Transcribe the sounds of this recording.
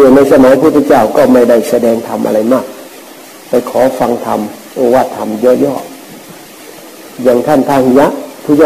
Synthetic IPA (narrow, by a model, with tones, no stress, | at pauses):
ɯ˧˩na˧jsa˧maː˨˦jpʰu˧˩t̪ʰːt͡ɕa˥˩wkɔː˧˥˩ma˥˩jda˥˩jsa˧dɛː˧ŋt̪ʰa˧mʔa̰˧ɾa˧jmaː˥˩k̚ | pa˧jkʰɔː˩˦fa˧ŋt̪ʰa̰˧m | ʔoː˧waː˧˩t̪ʰːa˧mjɔː˧˩jɔː˧˩k̚ | ja˨˧˩ŋt̪ʰa˧˥˩nt̪ʰaː˧˩hi˧ja˧˥ʔpʰuː˧˥˩t͡ɕaː˥˧˩